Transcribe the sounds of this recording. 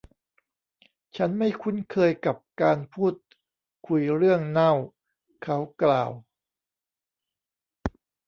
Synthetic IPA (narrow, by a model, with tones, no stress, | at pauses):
t͡ɕʰa˦˥nma˥˩jkʰu˦˥nkʰɤː˧jka˨˩p̚kaː˧npʰuː˥˩t̪̚ | kʰu˧jɾɯ˥˩əŋna˥˩w | kʰa˦˥wklaː˨˩w